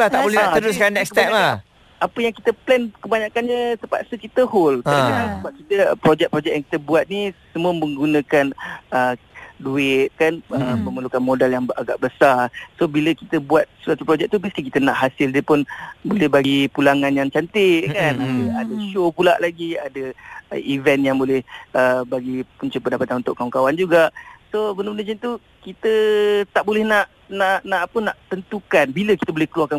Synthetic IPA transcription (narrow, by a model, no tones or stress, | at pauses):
laht̪aʔboləɾʊskanːɛkskət̪ɛpa | apəjaŋkit̪əplɛnkəbaɲakanɲət̪əpa̰ʔsəkit̪əholt̪aiənaŋsəbap̚kit̪əpɾod͡ʒɛk̚pɾod͡ʒɛk̚jaŋki̥t̪əbuat̪̚nisəmũəmə̃ŋɡunə̃kanəduɪt̪̚kanəmə̃məlukanmodaljaŋaɡaʔbəsarsobiləkit̪əbuat̪̚səsat̪upɾod͡ʒɛk̚t̪ubəst̪ikit̪ənaʔɦasɪldiəpʊnbolɛhbaɡipulaŋãnjaŋt͡ʃant̪ɪʔkanadəadəʃopula̰ʔlaɡiadəivɛnjaŋbolɛhəbaɡipuɲt͡ʃupəndapat̪anunt̪ʊʔkawaŋkawand͡ʒuɡaʔsobəndəmənəd͡ʒint̪u | kit̪ət̪aʔbolɛhnaʔ | naʔnaʔapənaʔt̪ənt̪ukanbiləki̥t̪əbolɛhkəluarkan